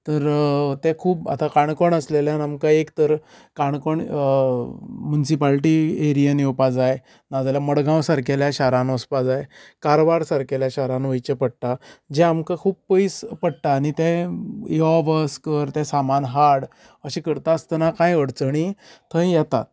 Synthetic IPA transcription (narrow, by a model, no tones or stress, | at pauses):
t̪əɾt̪ɛ̃kʰuːpa̰t̪akaɳkoɳəsleljanamkaekt̪əɾ | kaɳkoɳ | mjunisipalʈieɾijənjepad͡zaje | nad͡zaljaməɽɡãwsaɾkeljaɕaɾãnəspad͡zajekaɾobaɾsaɾkeljaɕaɾãnʋəjt͡ɕepəɽʈad͡ʑɛ̃amkakʰuːp̚pəispəɽʈaːɽ̃it̪ɛ̃jɔʋəskəɾt̪ɛ̃samanɦaɽ | əɕĩkəɾt̪aːst̪ənakãjəɽt͡səɳ̃it̪ʰə̃jjɛt̪a̰t̪̚